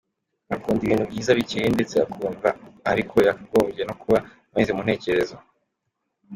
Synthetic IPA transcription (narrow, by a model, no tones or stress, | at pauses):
akuːndiβiːnhubɟiːzaβicejende̞t͡se̞a̰kʰuːɱvaaɾikʰo̞jaɡoːme̞no̞kuβa | βanzemunhe̞ːce̞ɾe̞zo